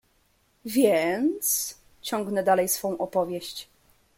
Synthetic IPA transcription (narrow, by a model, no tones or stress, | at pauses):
vʲjɛnt̪s | t͡ɕɔŋɡnɛd̪alɛjsfɔ̃w̃ʔɔpɔvʲjɛɕt͡ɕ